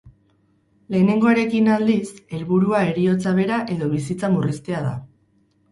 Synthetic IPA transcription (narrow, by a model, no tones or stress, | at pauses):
le̞ːne̞ŋɡo̞eɾe̞kinald̪ise̞lβuɾuae̞ɾio̞t͡saβ̞e̞ɾaʔe̞ðo̞β̞isit͡samurist̪e̞aða̰